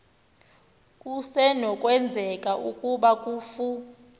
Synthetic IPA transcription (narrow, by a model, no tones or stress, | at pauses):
kʼusɛnɔkʼwɛnd͡zʱɛkʼaʔukʼuɓakʼuːfu